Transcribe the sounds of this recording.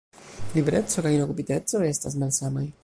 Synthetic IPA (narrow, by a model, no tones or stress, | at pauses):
libeɾe̞t͡so̞kajino̞kupite̞t͡so̞e̞stas̬malsamaj